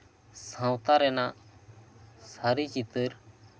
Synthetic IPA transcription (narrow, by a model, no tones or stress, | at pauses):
sãwt̪aɾɛna | saɾikit̪əɾ